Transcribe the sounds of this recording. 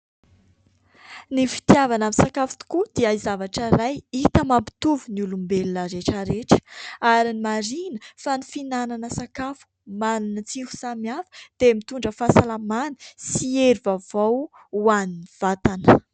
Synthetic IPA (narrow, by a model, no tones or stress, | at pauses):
nifi̥t̪iavanaminsakafu̥t̪u̥kud̪iəizavaʈ͡ʂəɾajit̪əmampi̥t̪uvunulumbelinəɾeʈ͡ʂəɾeʈ͡ʂə̥aɾinimaɾinəfanifinananəsakafu̥manunət͡siku̥samiafu̥d̪̥emit̪uɳɖ͡ʐəfasalamanə̥sieɾivavaw | uaniniv̥at̪anə